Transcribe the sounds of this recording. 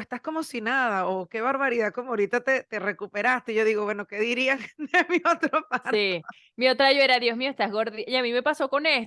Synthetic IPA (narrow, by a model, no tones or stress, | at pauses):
est̪asko̞mo̞sinaðaoke̞βaɾβaɾiðaðko̞moaoɾit̪at̪et̪e̞re̞kupe̞ɾast̪eiʝo̞ðiɣo̞βwe̞no̞ke̞ðiɾiaŋmiot̪ɾopasi | mio̞t̪ɾaʝoe̞ɾaðjo̞smioest̪ahɣo̞ɾðiaiamime̞paso̞ko̞ne̞s